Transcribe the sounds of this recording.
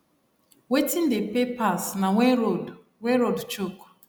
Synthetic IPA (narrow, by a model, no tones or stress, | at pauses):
wetĩndepepasnawo | weɾodt͡ʃok